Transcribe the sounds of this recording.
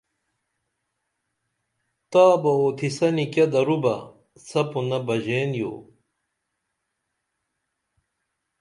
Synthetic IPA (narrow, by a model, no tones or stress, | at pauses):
t̪aːbɐoːt̪ʰisɐnikɐd̪ɐɾubɐ | sɐpunɐbɐʑeːnjo̰ː